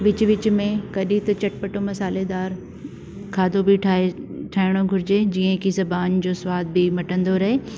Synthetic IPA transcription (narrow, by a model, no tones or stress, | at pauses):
ʋɪt͡ɕʊʋɪt͡ɕʊmẽkɐɗit̪ɐt͡ɕɐʈpɐʈomɐsaːled̪aːɾ | kʰaːd̪ʱobɪʈʰːʈʰaːɪɽ̃oɡʱʊɾɪd͡ʑed͡ʑiːə̃kʰizɐbaːnd͡ʑoːsʊwaːd̪̚bɪmɐʈə̃nd̪oɾɐɦeː